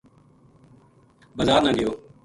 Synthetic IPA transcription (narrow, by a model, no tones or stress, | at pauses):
bəzaːɾnaːɠɪjoː